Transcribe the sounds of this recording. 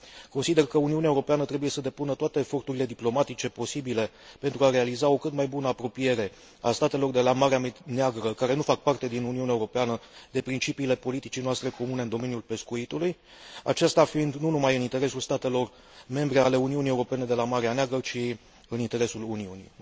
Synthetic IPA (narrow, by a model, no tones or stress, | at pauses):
ko̞nsid̪e̞rkəuniuneaeuɾo̞peanət̪ɾebuje̞səd̪e̞punət̪oat̪e̞ːfo̞rt̪uɾile̞d̪iplo̞mat̪it͡ʃe̞po̞sibile̞ | pe̞nt̪ɾuaɾe̞alizao̞kɨt̪majbunəapɾo̞pije̞ɾe̞ | a̰st̪at̪e̞lo̞rd̪e̞lamaɾeameneaɡɾəkaɾe̞nufak̚part̪e̞d̪inuniuneaeuɾo̞peanəd̪e̞pɾint͡ʃipiːle̞po̞lit̪it͡ʃijnoast̪ɾe̞ko̞mune̞ɨnd̪o̞me̞njulpe̞skuit̪uluj | a̰t͡ʃest̪afiind̪nunumajɨnint̪e̞ɾe̞sulst̪at̪e̞lo̞r | me̞mbɾe̞ale̞uniunije̞uɾo̞pe̞ne̞d̪e̞lamaɾeaneaɡɾət͡ʃi | ɨnint̪e̞ɾe̞suluniunḭ